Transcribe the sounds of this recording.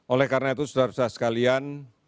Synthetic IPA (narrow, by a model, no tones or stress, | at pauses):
ʔolɛhkarnait̪usudaɾsasə̥kalian